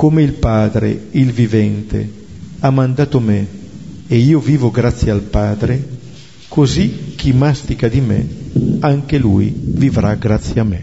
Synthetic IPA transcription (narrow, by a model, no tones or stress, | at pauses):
komeilpaːd̪ɾḛilvivɛnt̪ḛ | amːand̪aːt̪ome | eiːoviːvoɡɾat̪sːjealpaːd̪ɾe | kozik̟imast̪ikad̪imḛaŋkelṵjvivɾaɡɾat̪sːjamːe